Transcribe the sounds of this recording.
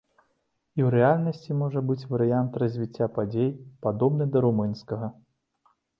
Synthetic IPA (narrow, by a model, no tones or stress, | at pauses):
iwɾɛalʲnɐsʲt͡sʲimɔʐɐbɨt͡sʲvɐɾɨjant̪rɐzʲvʲit͡sʲːapad͡zʲejpad̪ɔbnɨd̪ɐɾumɨnskɐɣɐ